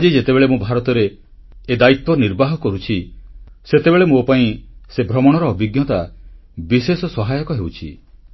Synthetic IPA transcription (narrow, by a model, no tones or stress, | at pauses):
ad͡ʒid͡ʒet̪ebeɭemũbʱaɾɔt̪ɔɾeː | d̪ait̪wɔniɾbaɦɔkɔɾut͡ʃʰi | set̪ebeɭemopaĩsebʱɾɔmɔɽ̃ɔɾɔːbiɡjɔt̪a | bisesɔsɔɦajɔkɔɦewt͡ʃʰḭ